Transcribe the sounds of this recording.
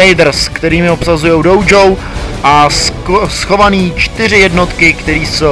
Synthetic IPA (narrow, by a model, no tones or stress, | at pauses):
ɛjdr̩skt̪ɛɾiːmɪo̞psazujowdowd͡ʒow | ʔassxo̞vaniːt͡ʃt̪ɪr̝ɪjɛdno̞t̪kɪkt̪ɛɾiːso